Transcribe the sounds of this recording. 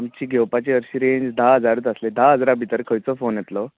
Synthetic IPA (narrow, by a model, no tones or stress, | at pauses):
amt͡ɕiːɡʱɛwpat͡ɕiəɾɕiɾeɲd͡zd̪aɦəd͡zaɾut̪əsled̪aɦəd͡zɾabʱit̪əɾkʰəjt͡sɔfonjɛt̪lɔ